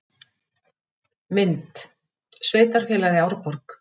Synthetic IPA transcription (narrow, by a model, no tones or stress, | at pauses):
mɪnt̪ | sveːjt̪aɾ̥fjɛːlaðɪawɾpɔɾk